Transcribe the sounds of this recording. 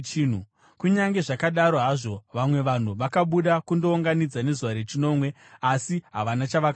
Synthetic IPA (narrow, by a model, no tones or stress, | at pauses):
n̤u | kuɲaŋɡe̞ʐakaɗaɾo̞ɦaʐo̞ʋamwe̞ʋan̤uʋakaɓuɗakundo̞uŋɡanid͡zane̞zuʋaɾe̞t͡ʃino̞ːmwe̞ | asiɦaʋanat͡ʃaʋaka